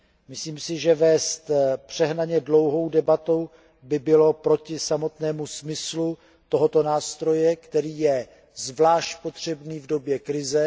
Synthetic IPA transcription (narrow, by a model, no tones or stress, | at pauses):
mɪsliːmsɪʒɛvɛːst̪pr̝̥ɛɦnaɲɛdlo̞wɦo̞wdɛbat̪o̞w | bɪbɪlo̞pɾo̞cɪsamo̞t̪nɛːmusmɪslu | t̪o̞ɦo̞t̪o̞naːst̪ɾo̞jɛkt̪ɛɾiːjɛ | zvlaːʃcpo̞t̪r̝̥ɛbniːvdo̞bjɛkɾɪzɛ